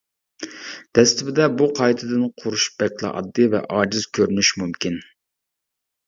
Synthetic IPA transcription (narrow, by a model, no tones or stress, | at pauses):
d̪̥ɛst̪ɪbɪd̪ɛbuqʰɑjt̪ʰɨd̪ɨnqʰʊɾuʃb̥ɛkʰʲlˠɨ̰ʔɑ̰d̪ːɨvɛ̰ʔɑːd͡ʒɪzkʲʰøɾynyʃmumkʲin